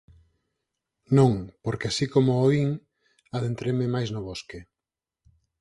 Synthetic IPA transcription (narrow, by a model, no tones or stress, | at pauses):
nõŋpoɾkɪasikomʊoiŋ | aðent̪ɾemɪmajznʊβoske